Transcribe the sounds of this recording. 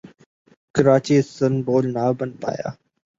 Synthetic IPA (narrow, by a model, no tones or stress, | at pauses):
kəɾaːt͡ʃiːsənboːlnaːbənpa̰ːja̰ː